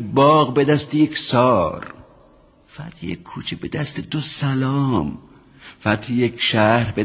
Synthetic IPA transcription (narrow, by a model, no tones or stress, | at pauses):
bɒːɣbed̪æst̪ejeksɒːɾ | fæat̪hijḛkʰːuːt͡ʃʰebed̪æst̪ʰed̪osælɒːm | fæat̪ʰijekʰʃæɾbe